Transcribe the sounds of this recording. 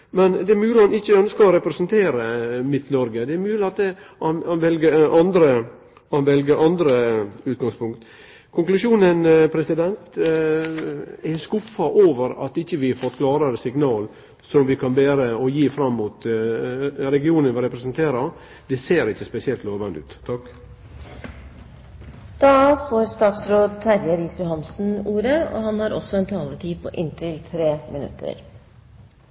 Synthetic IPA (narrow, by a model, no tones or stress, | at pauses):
mɛnd̪ɛɛɾmʉːlɪɑnɪçːəœnskɑɔɾɛpɾɛsənt̪ʰeːɾəmɪt̪ːnɔɾɡəd̪ɛɛɾmʉːlɪɑt̪̚ɛɑnɑnʋɛlɡəɾʔɑnd̪ɾə | ɑnʋɛlɡəɾʔɑnd̪ɾəʉːt̪̚ɡɑŋspʊŋk̚t̪ | kʰʊŋklʉʃuːnənpʰɾɛsɪd̪ɛnt̪ | ɛskʊfːɑʔoːʋəɾɑ̰t̪ɪçːəʋɪfɔt̪kʰlɑːɾəɾəsɪɡnɑːl | sɔmʋɪkʰɑnbæːɾəɔjiːfɾɑmːuːt̪ | ɾɛɡɪuːnənʋɪɾɛpɾɛsənt̪ʰeːɾɑɾ | d̪̥ɛseːɾɪçːəspɛsɪɛlt̪loːʋɑnd̪ʉ̰ːt̪ʰːɑk | d̪̥ɑːfoːɾst̪ɑːt̪sɾoːd̪̚t̪ʰæɾjəɾiːsʉhɑmsn̩uːɾəɔ̰hɑnhɑɾɔsːɔɛnt̪ʰɑːlət̪ʰiːpʰɔ̰ʔɪnt̪ʰɪlt̪ʰɾeːmɪnʉ̰t̪ʰːə̰ɾ